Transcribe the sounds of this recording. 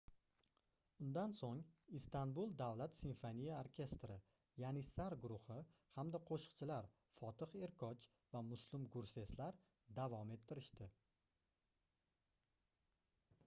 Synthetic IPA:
ʊnd̪ansoŋist̪anbulˠd̪avlat̪sinfonijaoɾkʲʰe̞st̪ɾɪ | janɪsaɾɡʊɾʊhɪ | hamd̪aqʰoʃɨ̥qt͡ʃʰɪlaɾ | fɒt̪ʰɨqe̞ɾkʰɒt͡ʃ | vamʊslˠɪmɡʊɾse̞slaɾ | d̪avɒme̞t̪ʰːɪɾɪʃt̪ɪ

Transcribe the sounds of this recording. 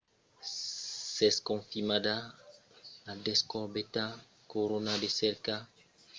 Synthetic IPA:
sɛskɔ̃nfimada | ladɛskɔʁbeta | koɾonadesɛɾka

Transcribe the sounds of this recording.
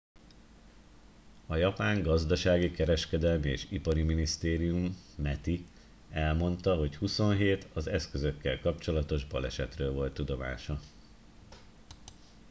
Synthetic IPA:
ɒjɒpaːŋɡɒzd̪ɒʃaːɡikɛɾɛʃkɛd̪ɛlmiḛːʃipɒɾiminist̪eːɾijumːɛt̪i | ɛlmo̞nt̪ɒɦo̞chuso̞nɦeːt̪ɒzɛskø̞zø̞kːɛlkɒpt͡ʃo̞lɒt̪o̞ʒbɒlɛʃɛt̪røːlvo̞lt̪ːud̪o̞ma̰ːʃɒ

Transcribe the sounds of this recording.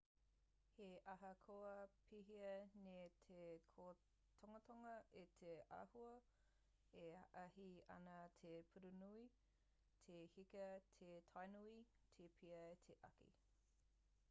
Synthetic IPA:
heʔɐɦɐkʰoɐpʰiɦiɐnetʰekʰo | t̪ʰoŋɐt̪ʰoŋɐet̪ʰeʔɐ̰huɐ | eɐ̰ʔɐɦiɐ̰nɐt̪ʰepʰuɾunui | t̪ʰehikɐtʰetʰajnui | tʰepʰiɐet̪ʰeʔɐ̰kḭ

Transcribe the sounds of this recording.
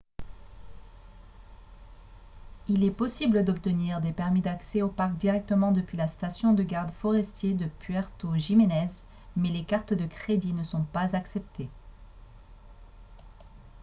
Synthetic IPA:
ilɛpɔsibləd̪ɔp̚t̪əniʁd̪epɛʁmid̪aksɛopaʁk̚d̪iʁɛk̚t̪əmɑ̃d̪əpɥilast̪asjɔ̃d̪əɡaʁd̪fɔʁɛst̪jed̪əpɥɛʁt̪oʒimenɛz | mɛlekaʁt̪d̪əkχed̪inəsɔ̃pazaksɛp̚t̪ʰe

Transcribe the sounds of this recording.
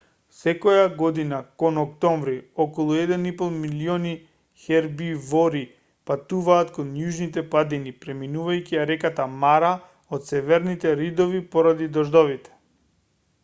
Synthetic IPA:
sɛkɔjaɡɔd̪inakɔnɔkt̪ɔɱvɾiɔkɔlˠuɛd̪ɛnipɔlˠmiliɔni | xɛɾbivɔɾi | pat̪uvaːt̪kɔnjuʒnit̪ɛpad̪inipɾɛminuvajciaɾɛkat̪amaɾa | ot̪sɛvɛɾnit̪ɛɾid̪ɔvipɔɾad̪id̪ɔʒd̪ɔvit̪ɛ̥

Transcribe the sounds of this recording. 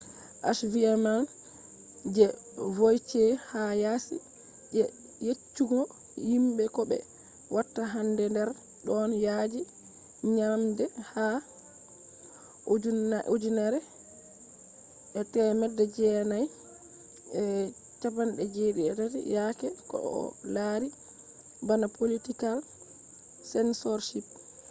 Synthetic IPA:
ʔaʃviaman | d͡ʒɛ | vojtɛhajasḭ | d͡ʒɛ | jet͡ʃːuɡɔ | himɓɛkɔɓɛ̰ | watːaɦandɛndɛɾ | ɗɔnjad͡ʒi | ɲamdɛha | ʔod͡ʒunʔod͡ʒunaɾɛ | ʔɛtɛmɛdːɛd͡ʒɛnaj | ɛ | t͡ʃapanɗɛd͡ʒeɗiɛ̰tatḭjakɛkɔ̰ʔɔ̰laɾi | banapolitikal | sɛnsɔɾʃip̚

